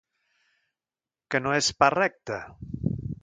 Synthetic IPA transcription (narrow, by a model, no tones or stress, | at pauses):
kənoesparɛk̚t̪ə